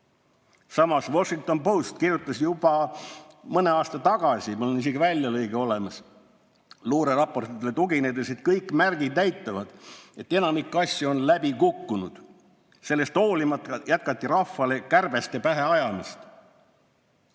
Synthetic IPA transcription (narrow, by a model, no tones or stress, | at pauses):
sɑmɑsvo̞ʃiŋk̚t̪o̞npowst̪kirʲjut̪ːˑɑsjub̥ɑ | mɤne̞ɑːst̪ɑt̪ɑɡ̥ɑsʲimuleniseɡivælʲjɑlɤjɡeo̞le̞mɑs | luːɾerɑpo̞rt̪it̪ːˑelet̪uɡined̪eset̪̚kɤjkːˑmærɡ̥id̪næjt̪ːˑɑvɑd̪̥e̞t̪ːe̞nɑmikːɑsʲjuo̞nlæb̥ikukːunud̪̥ | se̞lːe̞st̪o̞ːlimɑt̪jæt̪̚kɑt̪ʲːˑiɾɑfːɑle̞kærb̥e̞st̪epæɦe̞ɑjɑmist̪